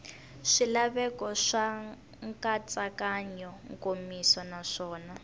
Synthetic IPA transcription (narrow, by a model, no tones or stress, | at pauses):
ʂilaβɛkɔʂa | ŋkʼat͡sʼakaɲɔŋkʼomisɔnaʂɔːna